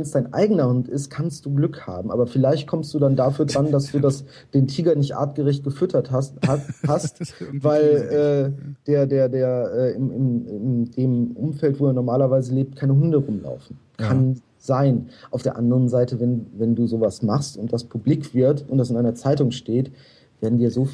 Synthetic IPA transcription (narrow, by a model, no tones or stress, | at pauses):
vɛnsd̥aɪnʔa̰ɪɡənɐhʊntɪstkʰanst̚d̥uːɡlʏkha̰ːbm̩ʔaːbɐfɪlaɪçt̚kʰɔmstd̥uːdandaːfyːɐdʁandasd̥uːdas | d̥eːntʰiːɡɐnɪçtʔa̰ːɐtɡ̥əʁɛçt̚ɡ̥əfʏtʰɐtahastvaɪlʔɛːd̥eːɐdeːɐdeːɐʔɛːɪmɪmɪmdeːmʔʊ̰mfɛltv̥oːeːɐnɔɐmaːlɐvaɪzəleːp̚t̚kʰaɪnəɦʊndəʁʊmla̰ʊfn̩ | kʰan | z̥aɪnʔaʊfd̥eːɐʔandəʁənzaɪtəvɛnvɛnduːzoːvasmaχstʊnt̚d̥aspʰʊblɪkv̥ɪɐtʊntd̥asɪnʔaɪnɐt͡saɪtʊŋʃteːt | v̥eːɐdn̩diːɐzoː